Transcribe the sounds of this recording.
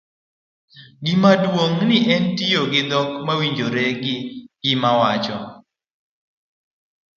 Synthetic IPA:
ɡɪmadwoŋnɪʔɛntijoɡɪd̪ɔkmawiɲd͡ʒoɾeɡɪɡ̥ɪmawat͡ʃɔ

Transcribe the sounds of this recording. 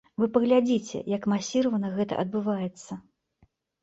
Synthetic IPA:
vɨpɐɣlʲad͡zʲit͡sʲɛ̰jɐkmasʲiɾɐvɐnɐɣɛt̪ɐ̰ʔɐd̪̚bɨvajɛt̪sːɐ

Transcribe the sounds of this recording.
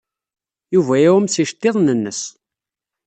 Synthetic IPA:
juvæjæwəmsiʃt̪ːɪðˤnənːəs

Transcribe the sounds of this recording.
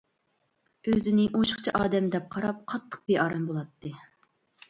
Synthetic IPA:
øzɪnɪʔoʃχt͡ʃʰɑʔɑːd̪ɛmd̪ɛp̚qʰɑɾɑp̚qʰɑt̪ʰːə̥q̚beʔɑːɾɑmbolˠɑt̪ːɨ

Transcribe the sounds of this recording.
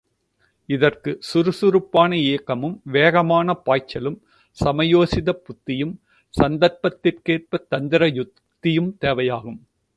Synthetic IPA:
ɪðɐrkɯsʊɾɯsʊɾɯpːaːnɐeːkːɐmɯmʋeːɣɐmaːnɐpaːjt͡ʃːɐlɯm | sɐmɐjoːsɪðɐpʊt̪ːɪjɯm | sɐnd̪ɐɾpɐt̪ːɪrkeːr̚pɐt̪ːɐnd̪ɪɾɐjʊ | t̪ːɪjɯmt̪eːʋɐjaːɣɯm

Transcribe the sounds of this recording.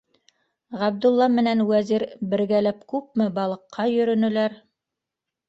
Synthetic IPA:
ʁæb̚d̪ulˠːɑmɘ̆nænwæziɾbɘ̆ɾɡælæp̚kʉp̚mɘbɑlˠɤ̆qːɑjɵ̆ɾɵ̆nɵ̆læɾ

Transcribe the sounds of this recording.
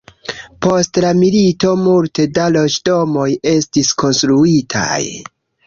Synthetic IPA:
po̞stlamilito̞multe̞dalo̞d͡ʒdo̞mo̞je̞stisko̞nstɾuitʰa̰j

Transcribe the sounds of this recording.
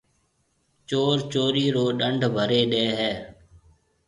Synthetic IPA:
t͡ʃoːɾt͡ʃoːɾiːɾoːɗəɳɖʱbʱəɾeːɗeːɦɛː

